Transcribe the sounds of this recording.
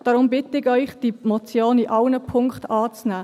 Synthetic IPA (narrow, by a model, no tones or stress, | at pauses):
d̥ɑɾʊmbɪtəɪɡœʏχd̥imɔt͡sjoːniʔɑlnəpʰʊŋktɑːt͡snæː